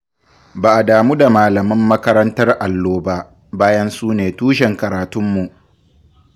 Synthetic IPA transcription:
baː˨ʔa˨daː˨muː˦da˨maː˨lɐ˨mɪ˦mːɐ˦kɐ˦ɾɐ˦ntɐ˦rʔa˨lːoː˦ba˦ʔ | baː˦jɐ˦nsuː˦neː˨tuː˦ʃɛ˨ŋkɐ˨ɾaː˨tʊ˦mːu˨ʔ

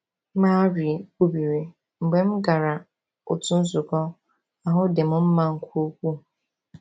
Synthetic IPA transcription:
mã˦ɾi˨bu˦bi˨ɾe˨ | m̩˨ɡ͡be˦m̩˦ɡa˨ɾa˨ | o˨tu˦n̩˦sʊ˨kɔ˦ | a˨ɦʊ˦de˨mʊ̃˦m̩˦mã˦ŋ̩˨kʷʰo˦kʷu˦

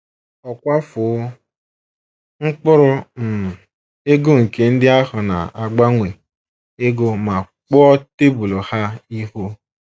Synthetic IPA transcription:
ɔ˨kʷa˦fʊ˨˦ | ŋ̩˦k͡pʊ˦ɾʊ˦m̩˨ | e˦ɡo˦ŋ̩˨ke˨n̩˦dɪ˦a˦ɦʊ˨na̰˨a˨ɡ͡ba˦ŋʷe˨ | e˦ɡo˦ma˨ | k͡pɔ˦te˦bu˨lo˨ha˦i˦ɦo˦

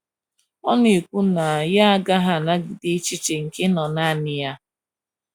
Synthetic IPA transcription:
ɔ˦ne˨kʷu˦na˨ja˦a˦ɡa˦ɦa˨na˦ɡɪ˨dɪ˦t͡ʃi˦t͡ʃe˨ŋ̩˨ke˦nɔ˨na˦nɪ˨ja˦

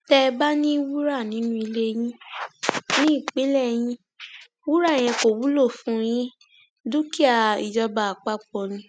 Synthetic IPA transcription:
tɛ˧ba˦nĩ˦wu˦ɾa˦˨nĩ˨˦nũ˦i˧le˦j̃ĩ˦ | nĩ˦i˦˨k͡pe˨˦lɛ˦˨j̃ĩ˧˦ | wu˦ɾa˦˨j̃ɛ̃˧ko˨wu˦lo˦˨fũ˦j̃ĩ˦ | du˦ki˦a˦˨i˨d͡ʒɔ˧ba˨a˨k͡pa˦k͡pɔ˧˨nĩ˧

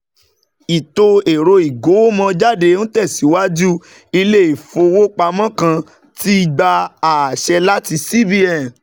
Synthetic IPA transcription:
i˨to˧e˨ɾo˧i˨ɡo˨˦o˦mɔ̃˧d͡ʒa˦de˧ñ̩˦tɛ˦˨si˨˦wa˦d͡ʒu˦ | i˧le˦i˨fo˧wo˦k͡pa˧mɔ̃˦kã˧ | ti˦i˦˧ɡ͡ba˧a˨ʃɛ˧la˦ti˧si˦bi˦ɛ˨

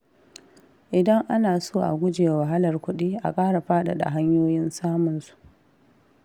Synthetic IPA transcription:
ʔɪ˨dɐ˦ŋʔa˦naː˨soː˦˨ʔa̰˨ɡʷʊ˦d͡ʒe˨wa˨ɦa˦lɐ˨rkʷʊ˦ɗiː˦ʔa̰˨kʼaː˦ɽa˨ɸaː˦ɗa̰˨ɗa̰˨ɦa˦ɲjoː˦jɪ˦nsaː˦mʊ˨nsu̥˨ʔ

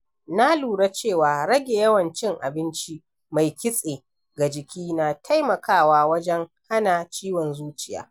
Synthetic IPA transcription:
na˦luː˨ɽa˦t͡ʃeː˦˨waː˨ɽɐ˦ɡʲeː˨jɐ˦wɐ˨nt͡ʃɪ˦ŋʔa̰˨bɪ˦nt͡ʃi˦ | ma˨jkʲɪ˦sʼeː˨ | ɡa˨d͡ʒɪ˨kʲiː˦na˨tʰa˦jmɐ˨kʰaː˦˨waː˦wɐ˦d͡ʒɛ˦ŋha˦na˨t͡ʃiː˦wɔ˨nzuː˦t͡ʃɪ˨ja̰ː˨˦

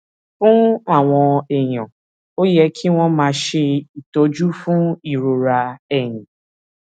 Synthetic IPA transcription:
fũ˦a˦˨w̃ɔ̃˧ɛ˨j̃ã̰˨ | o˦jɛ˧˦kʰi˦w̃ɔ̃˦mãː˧ʃe˧i˨to˨˦d͡ʒu˦fũ˦i˦˨ɾo˨ɾa˧ɛ˨jĩ˨

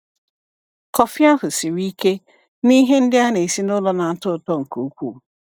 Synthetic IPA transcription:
kʰɔ˨fɪ˦a˦hʊ˨sɪ˨ɾi˦ke˦ | ni˦ɦe˦n̩˦dɪ˦a˦ne˨e˨si˦nʊ˦lɔ˦nã˨n̩˦tʊ˦˨tɔ˦ŋ̩˨kʰo˨˦kʷu˦˨

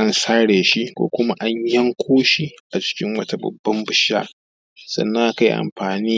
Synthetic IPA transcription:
ʔa˦nsaː˦ɽeː˨ʃi˦kʷo̰ː˦kʷʊ˦ma˦ʔa˦ɲjɐ˦ŋkʷoː˦ʃi˦ʔa˨t͡ʃɪ̥˦kʲɪ˦ŋwɐ˦ta˦˨bɐ̰˨bːɐ˦mbʊ˨ʃːa̰ː˦ | sɐ̰˦nːa˦˨ka˦jʔa̰˨mɸaː˨niː˦

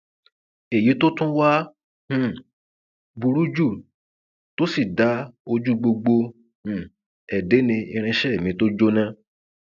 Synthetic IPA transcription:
e˨ji˨˦to˦tũ˦wa˦ | h̩˦˨ | bu˧ɾu˦d͡ʒu˦˨ | to˦si˦˨da˨˦o˧d͡ʒu˦ɡ͡bo˧ɡ͡bo˧ | h̩˦˨ | ɛ˨de˨˦nĩ˧i˧ɾ̃ĩ˧ʃɛ˦e˨mĩ˨˧to˦d͡ʒo˦nã˧

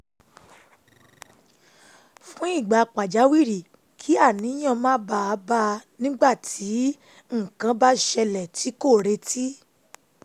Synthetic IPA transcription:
fũ˦i˦˨ɡ͡ba˨k͡pa˨d͡ʒa˨˦wi˦˨ɾi˨ | kʰi˨˦a˦˨nĩ˨˦j̃ã˧˨mãː˦ba˧a˧˦ba˦˧nĩ˦ɡ͡ba˦˨tʰi˨˦ | ŋ̩˦˨kã˧ba˦ʃɛ˧lɛ˨tʰi˨˦ko˦˨ɾe˧tʰi˦

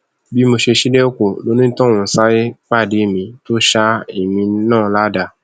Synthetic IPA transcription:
bi˨˦mo˧ʃe˧ʃi˦de˦o˦ko˨lo˨˦nĩ˦tɔ̃˦˨ɔ̃˨n̩˨˦sa˦je˦k͡pa˦˨de˨˦˨mĩ˧to˦ʃa˦i˨mĩ˧˦nãː˦˨˦la˦da˧˨

